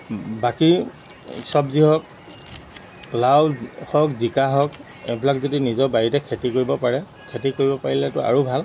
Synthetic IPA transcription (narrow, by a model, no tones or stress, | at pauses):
baki | sɔbziɦɔk̚ | plawhɔkzikaɦɔk | ɛ̰blakzodinizɔɹbaɹitɛkʰetikoɹibɔpaɹɛ | kʰetikoɹibɔpaɹilɛtʊa̰ɹobʱal